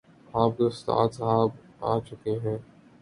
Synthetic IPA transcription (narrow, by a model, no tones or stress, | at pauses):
aːb̚d̪ost̪a̰ːt̪sɦaːb | aːt͡ʃʊkeɦɛ̃ː